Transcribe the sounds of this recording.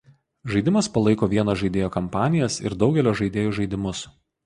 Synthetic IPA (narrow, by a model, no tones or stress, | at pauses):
ʒɐɪd̪ʲɪmɐspɐlˠɐɪkoːʋʲiɛnoːʒɐɪd̪ʲeːjoːkɐmpɑːnʲɪjɛsɪ̰ɾd̪ɒʊɡʲɛlʲoːʒɐɪd̪ʲeːjoːʒɐɪd̪ʲɪmʊs